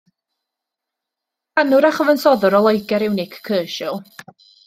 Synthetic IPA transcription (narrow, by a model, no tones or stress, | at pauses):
anʊɾaχəvənsɔðʊɾɔlˠɔjɡɛɾɪwnɪkʰkʰːəːʃʊlˠ